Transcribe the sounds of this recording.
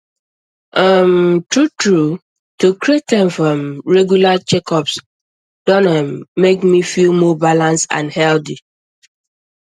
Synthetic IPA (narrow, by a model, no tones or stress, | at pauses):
ʔamtɹutɹu | tukɾietɛ̃nfɹɔ̃mɹɛɡjulat͡ʃɛkɔps | d̥ɔnamːekmifilmɔbalãnsã̰nhɛldi